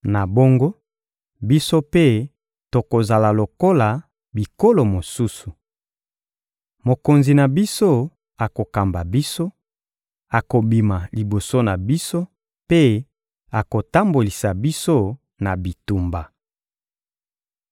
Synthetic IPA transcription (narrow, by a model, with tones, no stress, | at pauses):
na˨bo˦ŋɡo˦ | bi˦so˦pe˦ | to˨ko˨za˨la˨lo˨ko˦la˨ | bi˨ko˦lo˨mo˨su˦su˨ | mo˨ko˨nzi˨na˨bi˦so˦ | a˨ko˨ka˨mba˨bi˦so˦ | a˨ko˨bi˨ma˨li˨bo˨so˦na˨bi˦so˦ | pe˦ | a˨ko˨ta˦mbo˨li˨sa˨bi˦so˦ | na˨bi˨tu˨mba˨